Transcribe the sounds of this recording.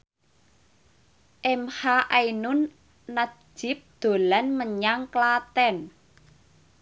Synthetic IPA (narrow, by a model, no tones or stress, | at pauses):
ʔɛmhaʔainʊnː | ḁd͡ʒ̥ɪ̤p̚d̪̥o̤lanməɲaŋklat̪ɛn